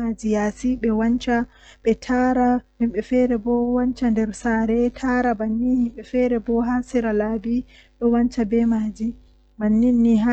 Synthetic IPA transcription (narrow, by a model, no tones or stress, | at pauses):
ad͡ʒijaːsiɓɛwaɲt͡ʃa | ɓɛtʰaɾahimɓɛfɛɾɛbɔwaɲt͡ʃandɛɾsaːɾɛtʰaɾabanːihimɓɛfɛɾɛbɔɦasiɾalabi | ɗɔwaɲt͡ʃabɛmad͡ʒi | manːinːiɦa